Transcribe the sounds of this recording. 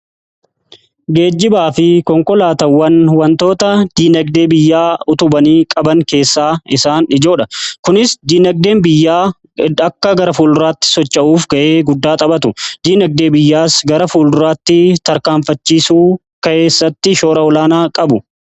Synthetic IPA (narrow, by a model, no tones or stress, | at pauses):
ɡe̞ːd͡ʒːɪbaːfɪkɔŋkɔlaːt̪ɐwːɐnwɐnt̪o̞ːt̪ɐd̪̥iːnɐɡ̚d̪e̞ːbɪjːaːʊt̪ʊbɐniːkʼɐbɐŋke̞ːsːaːɪsaːnɪd͡ʒo̞ːᶑɐkʊnɪsd̪iːnɐɡ̚d̪e̞ːnbɪjːaː | ɐkːɐɡɐɾɐfuːlɾaːt̪ːɪ̥sɔt͡ʃːɐʔuːfɡɐʔe̞ːɡʊd̪ːaːt̪ʼɐbɐt̪ʊd̪iːnɐɡ̚d̪e̞ːbɪjːaːsɡɐɾɐfuːlʊɾaːt̪ːɪt̪ɐɾkaːmfɐt͡ʃːiːsuː | kɐʔeːsːɐt̪ːɪʃo̞ːɾɐɔlaːnaːkʼɐbʊ